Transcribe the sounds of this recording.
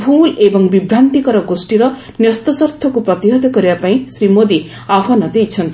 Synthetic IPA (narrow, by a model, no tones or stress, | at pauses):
bʱulebɔŋbibɾant̪ikɔɾɔɡosʈiɾʌ | njʌst̪ɔsɔɾt̪ʰɔkupɾɔt̪iɦɔd̪ɔkɔɾibapaĩsɾimod̪i | aɦɔnɔd̪ejt͡ʃʰʌnt̪i